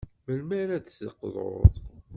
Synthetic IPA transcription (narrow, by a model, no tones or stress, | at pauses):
məlmæɾæd̪sə̰qːðˤo̰ðˤ